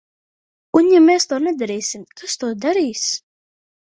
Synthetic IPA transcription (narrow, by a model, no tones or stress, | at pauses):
unjamɛːst̪uːnɛd̪aɾɛːsimk̪ʰast̪uːd̪aɾiːs